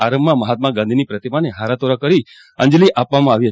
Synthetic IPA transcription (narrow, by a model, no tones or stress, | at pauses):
aɾəmːãməɦat̪̚mãɡãnd̪ʱinipɾət̪imaneɦaɾat̪oɾakəɾi | ə̰̃ɲd͡ʒliʔapʋamãaʋiɦə